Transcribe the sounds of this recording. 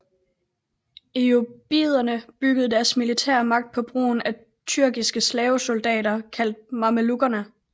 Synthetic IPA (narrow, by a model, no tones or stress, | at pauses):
iob̥iːð̞ˠɐnəb̥yɡ̥əð̞̩ˠd̥æɐsmilit͡sʰæɐ̰mɑ̈ɡ̥̚d̥̚pʰɒ̽b̥ʁo̝̰ːnæ | t͡sʰyɐɡ̥isɡ̥əslɛːʊso̝ld̥ɛ̰ːɾɐkʰæl̰d̥̚mɑ̈məluɡ̥ɐnə